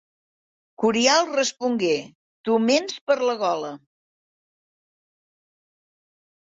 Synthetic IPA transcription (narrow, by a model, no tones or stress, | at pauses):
kuɾialˠrəspuŋɡe | t̪umenspəɾləɣ̞ɔlə